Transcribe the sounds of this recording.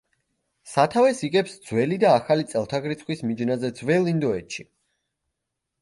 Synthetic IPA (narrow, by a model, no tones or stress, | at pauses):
sat̪ʰavɛsiɡɛpsd̪z̥wɛlid̪aːχalit̪sʼɛlˠt̪ʰaɡɾit̪sʰχwismid͡ʒnazɛd̪zwɛlind̪ɔɛt̪ʃi